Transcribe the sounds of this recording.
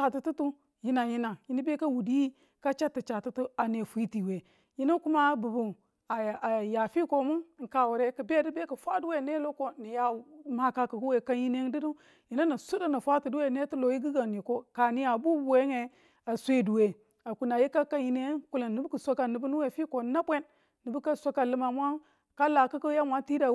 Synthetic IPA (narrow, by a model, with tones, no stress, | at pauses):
a˨ti˨tu˦tu˦ | ji˦na˨ji˦na˨ji˦ni˦be˦ka˦wu˨di˦ji˦ | ka˦t͡ʃa˦tːi˨t͡ʃa˨tu˦tu˦a˨ne˨fi˦ti˨we˨ | ji˦na˦ku˦ma˦bu˨bu˨ | a˨a˨ja˨fi˦ko˦mu˦n˨ŋ̩˨ka˨wu˨ɾe˦kə˨be˦di˦be˦ka˨fʷa˦du˦we˦˨ne˦lo˦ko˦ni˨ja˨ma˦ka˦˨ku˨ɡu˦we˨ka˦ji˦ne˦n˦di˦du˦ | ji˨na˦na˨su˦da˦na˨fʷa˦ti˨du˦we˦˨ne˦ti˦lo˨ji˦ɡi˦ɡa˨n˨i˨ko˦ka˨ni˦ja˨bu˦bu˨we˦ŋe˨ | a˨sʷe˦˨du˨we˨ | a˨ku˨na˨ji˦ka˦ka˦ji˦ne˦ku˦la˨nːi˨bu˦ku˨sʷa˦ka˨ni˨bu˦nu˦we˨fi˦ko˨na˦bʷe˦nː | i˨bu˦ka˦sʷo˦ka˨lə˦ma˨mʷa˦ | ka˦la˨ka˦ku˦ja˦mʷa˦nti˦da˨